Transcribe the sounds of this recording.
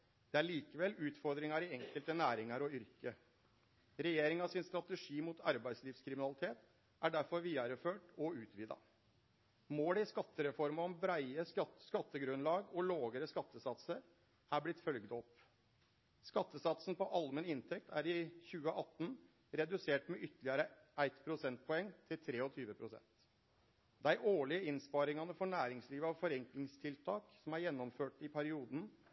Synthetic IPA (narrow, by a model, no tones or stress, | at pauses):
d̪̥ɛæɭiːkəʋɛlːʉːt̪fɔɾd̪ɾɪŋɑɾɪɛŋkəlt̪ənæːɾɪŋɑɾɔʏɾkə | ɾɛjeːɾɪŋɑʋsɪnst̪ɾɑt̪əʂiːmut̪ɑɾbæɪsliːʋskʰɾɪmɪnɑlɪt̪ʰeːt̪ | ʔæɖæɾfɔɾʋiːɑɾəføːʈɔʉːt̪ʰʋiːd̪ɑ̰ | moːlɪskɑt̪ːəɾɛfɔɾmɑɔmbɾæɪəsskɑt̪ːəɡɾʉnlɑːɡɔloːɡəɾəskɑt̪ːəsɑt̪səɾ | æblɪt̪fœlɡd̪ɔp | skɑt̪ːəsɑt̪sn̩pɔʔɑlmənɪnt̪ʰɛk̚t̪ʰæɾɪçʉːəʔɑt̪ːn | ɾɛd̪ʉseːʈmɛʔʏt̪ʰəlɪɑɾə | æɪt̪pʰɾʊsɛnt̪̚pʰɔɛŋːt̪ʰɪlt̪ʰɾeːɔt̪ʰyːʋəpʰɾʊsɛ̰nt̪ | d̪æɪʔoːɭɪəɪnspɑːɾɪŋɑnəfɔɳæːɾɪŋsliːʋəɑʋfɔɾɛŋklɪŋst̪ʰɪlt̪ʰɑːksɔmæɾjɛnːɔmføːʈɪpʰæɾɪuːd̪n̩